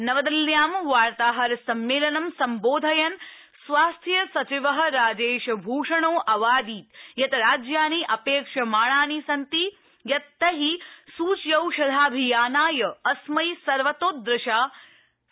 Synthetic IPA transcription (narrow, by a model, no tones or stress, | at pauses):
nɐʋɐd̪ɐljaːmʋaːɾt̪aːɦɐɾsɐmːeːlɐnɐmsɐmboːd̪ʱɐjɐn | sʋaːst̪ʰjɐsɐt͡ʃiʋɐɦɐ̆ɾaːd͡ʒeːʃbʱuːʂɐɳ̃oːʔɐʋaːd̪iːt̪jɐt̪ɐɾaːd͡ʒjaːniːʔɐpeːkʂɐmaːɳ̃aːnisɐnt̪i | jɐt̪ːɐɦisuːt͡ʃjɐwʃɐd̪ʱaːbʱijaːnaːjɐɐsmɐjsɐɾʋɐt̪oːt̪̚d̪ɾɪʃaː